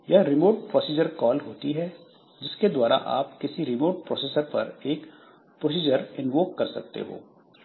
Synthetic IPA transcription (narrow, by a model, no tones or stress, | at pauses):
jɐɦɾɪmoːʈ̚pɾɔːsiːd͡ʒəɾkɔːlɦoːt̪iɦɛː | d͡ʒɪsked̪waːɾa̰ʔa̰ːpkɪsiɾɪmoːʈ̚pɾɔːseːsəɾpɐ̰ɾeːk | pɾoːs̬iːd͡ʒəɾɪnʋoːkːɐɾsɐ̰k̚t̪ḛɦo̰ː